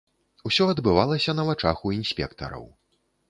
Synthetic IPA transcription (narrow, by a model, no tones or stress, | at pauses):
usʲɔɐd̪bɨvalˠɐsʲɐnɐvat͡ʂaxuinsʲpʲɛ̰kt̪ɐ̰ɾɐ̰w